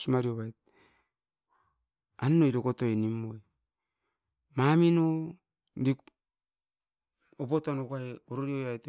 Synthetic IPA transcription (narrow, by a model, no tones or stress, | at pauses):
smaɾioβajt̚ | anːoiɾokotoenimːoe | mamino | dik | opotanokaeoɾoɾioajt